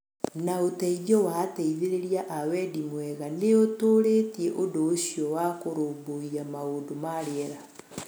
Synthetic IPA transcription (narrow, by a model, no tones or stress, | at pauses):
naotɛiðɔwatɛiðeɾeɾiaʔawɛdimwɛɣaneotoːɾeːtiɛʔodoːɕiɔwakoɾoːmboiamaoːndomaɾeɛɾa